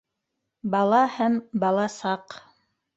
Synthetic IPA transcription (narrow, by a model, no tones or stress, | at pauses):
bɑlˠɑhæmbɑlˠɑsɑq